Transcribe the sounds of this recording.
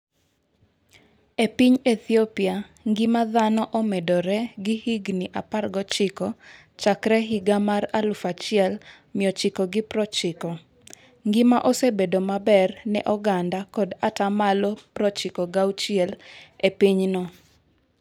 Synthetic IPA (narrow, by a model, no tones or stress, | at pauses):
epiɲet̪iopiaŋɡɪmaðanɔʔomɛdɔɾɛɡɪhiɡniʔaparɡɔt͡ʃɪkɔ | t͡ʃakɾɛɦiɡamaɾalufat͡ʃɪɛl | mɪɔt͡ʃɪkɔɡɪpɾɔt͡ʃɪkɔ | ŋɡɪmaʔosebedomabɛrnɛʔɔɡandakɔdatamalopɾɔt͡ʃɪkɔɡawt͡ʃɪɛlepiɲnɔ